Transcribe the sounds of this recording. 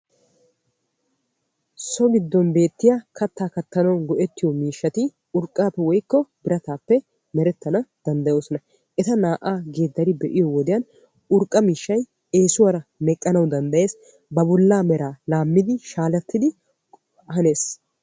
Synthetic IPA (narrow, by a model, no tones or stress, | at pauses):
sɔɡɪd̪ːɔnbe̞ːt̪ːɪjaːkɐt̪ːaːkɐt̪ːɐnɐwnɡɔʔɛt̪ːɪjɔmiːʃːɐt̪ɪ | ʊɾkʼːaːpːɛwɔjkːɔbɪɾɐt̪aːpːɛ | mɛɾɛt̪ːɐnɐd̪̥ɐnd̪ɐjo̞ːsɔnɐ | ʔɛt̪ɐnaːʔaːɡeːd̪ːɐɾɪbɛʔɪjɔwɔd̪ɪjɐn | ʊɾkʼːɐmiːʃːɐj | e̞ːsʊwɐɾɐmɛkʼːɐnɐwd̪ɐnd̪ɐje̞ːs | bɐbɔlːaːmɛɾaːlaːmːɪd̪ɪʃaːlɐt̪ːɪd̪ɪ | ɦɐne̞ːs